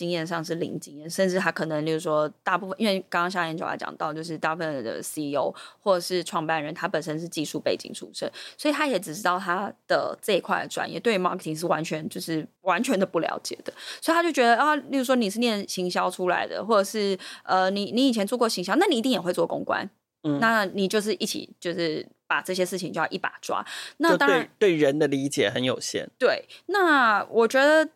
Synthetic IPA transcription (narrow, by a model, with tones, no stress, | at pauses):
t͡ɕi˥ŋjɛ˥˧nʂ̬ɑ˥˧ŋʂ̬ɻ̩˥˩lḭ˧˥ŋt͡ɕi˥ŋjɛ˥˩nʂə˥˧nʈ͡ʂɻ̩˥˩t̪ʰa˥kʰɤ˨˩nə˧˦ŋt͡ɕjo˥˩u˥˩ʂwɔ˥t̪a˥˧pu˥˩fə˨nʔi˥nwe˥˩ɪkɑ˥ŋkɑ˥ŋɕja˥˧˩jɛ˧˥t͡ɕo̰˨˩l̰a̰˧˥ɪt͡ɕɑ̰˨˩ŋt̪ɑ˥˧ʊt͡ɕjo˥˧ʊʂ̬ɻ̩˥˧t̪a˥˧pu˥˩fə˧˩˨d̪ə̰˩si˥˧o˥ʊxwɔ˥˩ʈ͡ʂə˨˩ʂɻ̩˥˧ʈ͡ʂʰwɑ˥˧ŋpa˥˩nɻə˧˦nt̪ʰa˥pə˨˩nʂə˥nʂ̬ɻ̩˥˧t͡ɕi˥˧ʂu˥˧˩pe˥˩ɪt͡ɕḭ˨˩ŋʈ͡ʂʰṵ˧˥ʂə˥˩nswɔ˧˥i˨t̪ʰa˥jɛ˧˥ʈ͡ʂɻ̩˨˩ʈ͡ʂɻ̩˥t̪ɑ˥˩ʊt̪ʰa˥d̪̥ə̰˨ʈ͡ʂɤ˥˧i˧˥kʰwa˥˩ɪd̪ə˩ʈ͡ʂwa̰˨˩njɛ̰˥˩t̪we˥˩ma̰˥kʰə˧˩t̪ʰi˨˩ŋʂ̬̩˥˩wa˧˥nt͡ɕʰɥɛ˧˥nt͡ɕjo˥˧ʊʂɻ̩˥˩wa˧˦˥nt͡ɕʰɥɛ˧˥nd̪ə˧pu˥˩ljɑ̰˧˥ʊt͡ɕjɛ̰˨˩d̪ə̥˦swi˨t̪ʰa˥jo˥˩ʊt͡ɕɥɛ˧˥d̪ə˧˥˧jʊu˥˩ʂwɔ˥ni˨˩ʂ̬ɻ̩˥˧njɛ˥˩nɕi˧˥ŋɕ̬jɑ˥ʊʈ͡ʂʰu˥la̰˧˥ɪd̪ə̰˧xwɔ˥˩ʈ͡ʂə˨˩ʂɻ̩˥˩ə˧ni˨˩ni˧˥i˨˩t͡ɕʰjɛ˧˥nt͡swkwɔ˥˩ɕi˧˥ŋɕjɑ˥ʊna˥˩ni˨˩i˧˥i˥˩ŋjɛ˨˩xwe˧ɪt͡swɔ˥˩kʊ̰˥ŋkwa̰˦n̩˥˩ | na˥˩ni˨˩t͡ɕjo˥˧ʊʂ̬ɻ̩˥˧˩ʔi˥˩t͡ɕʰḭ˨˩t͡ɕjo˥˧ʊʂɻ̩˥˩pa̰˨˩ʈ͡ʂɤ˥˩ɕ̬jɛ˥ʂɻ̩ʰ˥˩i˨˩ŋt͡ɕo˥˧jɑ̰˥˧˩i˥˩pa̰˨˩ʈ͡ʂwa̰˥na˥˩ɑ˥ŋɻa˥˩˧nt̪we˥˩ɪɻə˧˥nd̪ə˨li˧˥t͡ɕjɛ˨˩xə˧˦njo˨˩ʊɕjɛ̰˥˩nt̪we˥˩ɪna˥˩wʔɔ˨˩t͡ɕɥɛ˧˥d̪ə˨